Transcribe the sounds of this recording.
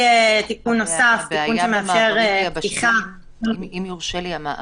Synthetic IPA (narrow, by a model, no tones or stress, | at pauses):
et̪ikunːo̞saft̪ikunʃemeafʃeʁptiχa